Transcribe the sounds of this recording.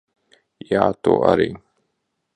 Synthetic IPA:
jaːt̪o̰ʔa̰ɾḭ

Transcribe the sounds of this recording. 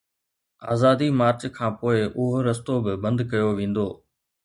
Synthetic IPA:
a̰ːzaːd̪imaːɾt͡ʃkʰãːpoːɪʔʊɦoɾɐst̪obɪbɐ̃nd̪kɐjoʋẽːn̆d̪oː

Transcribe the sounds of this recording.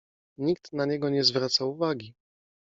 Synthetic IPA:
ɲikt̪naɲɛɡɔɲɛzvɾat̪sauvaɡʲi

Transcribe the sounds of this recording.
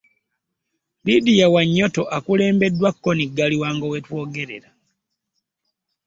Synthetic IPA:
lidijawaɲːotoʔakule̞ːmbe̞dːwakːoniɡaliwaːŋɡowetwo̞ːɡe̞ɾe̞̰ɾa

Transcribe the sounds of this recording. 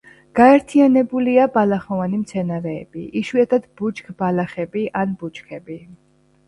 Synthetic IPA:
ɡ̥aɛɾt̪ʰianɛbuliabalaχɔvanimt̪sʰɛnaɾɛːbiʔiʃwiat̪ʰad̪but͡ʃkʰb̥alaχɛbiʔanbut͡ʃkʰɛbi

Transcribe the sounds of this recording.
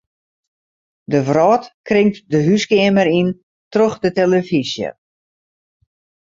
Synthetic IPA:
dəvrɔːtkrɪŋtdəɦyskɪəməɾin | troxdəteləfizjə̰

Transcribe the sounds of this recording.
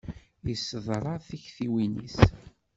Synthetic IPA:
jisːəðˤɾˤɑθiçθiwinḭs

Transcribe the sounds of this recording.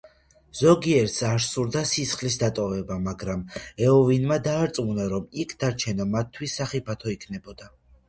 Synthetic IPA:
z̥ɔɡiɛɾt̪saɾsuɾd̪asisχlisd̪at̪ʼɔvɛbamaɡɾamɛɔvinmad̪aːɾt̪sʼmunaɾɔmikʰd̪aɾt͡ʃʰɛnamat̪ʰːwisːaχipʰat̪ʰɔikʰnɛbɔd̪̥a

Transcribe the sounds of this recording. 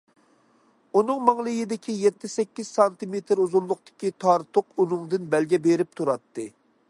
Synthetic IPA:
unɨŋmɑŋlˠɨjid̪ɪkʲʰijɛt̪ːɪsɛkʲːiz̥sɑnt̪ɨmet̪ʰɾuzullˠʊqt̪ɪ̥kʲit̪ʰɑɾt̪ʰʊqʰunɨŋd̪ɨnbɛlɡʲɛbeɾɪp̚t̪ʰuɾɑt̪ːɨ

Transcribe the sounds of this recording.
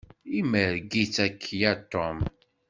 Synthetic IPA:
iməɾɡit͡sːækʰːjæt̪ːom

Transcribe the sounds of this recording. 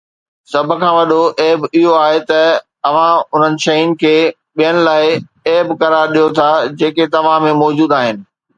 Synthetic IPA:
sɐbʱʊ̆kʰãːʋɐɗoʔeːbɪɦoaːɦet̪ɐ | ɐʋ̤ãʊn̤ənɪ̆ʃɐiʊnɪ̆kʰeː | ɓijənɪ̆laːɪ | eːbkɐɾaːɾɗijot̪ʰad͡ʑeːket̪ɐʋ̤ãmẽmɔːd͡ʑuːd̪aːɦɪnɪ̆

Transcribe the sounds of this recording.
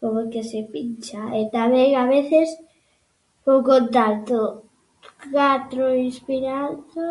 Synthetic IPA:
poβokesepint͡ʃaet̪amɛŋaβeθes | powkont̪alt̪o | kat̪ɾoinspiɾat̪o

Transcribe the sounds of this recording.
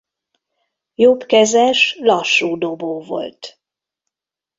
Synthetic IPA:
jopkɛzɛʃlɒʃːuːd̪o̞boːvo̞̰lt̪

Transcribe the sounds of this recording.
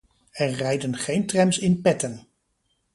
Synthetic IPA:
ɛɹrɛjdənχejntrɛmsɪnpɛtən

